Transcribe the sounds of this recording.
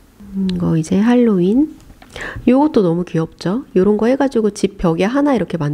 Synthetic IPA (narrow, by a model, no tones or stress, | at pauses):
ɡʌid͡ʑe̞ɦaɭːoin | joɡʌt̚t͈onʌmukiʌp̚t͡ɕ͈ojoɾʌnɡʌhe̞ɡad͡ʑiɡot͡ɕipʰːjʌɡiaɦanaiɾʌkʰe̞man